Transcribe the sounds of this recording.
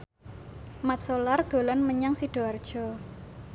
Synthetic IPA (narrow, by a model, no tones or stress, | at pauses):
mat̪̚solard̪̥o̤lanməɲaŋsiɖ̥o̤ard̥ʒ̥ɔ